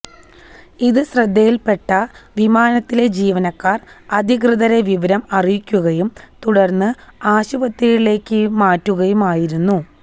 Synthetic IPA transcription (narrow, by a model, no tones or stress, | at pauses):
iðɨɕrɐd̪ʱːejilpe̞ʈːɐʋimaːnɐt̪ːile̞d͡ʑiːʋɐnɐkːaːrɐd̪ʱikrɨðɐɾeʋiʋɐɾɐmɐrijikʲːuɣɐjumt̪uɽɐrnːɨaːɕubɐt̪ːijiɽile̞ːkːɨmaːtːuɣɐjumaːjiɾunːu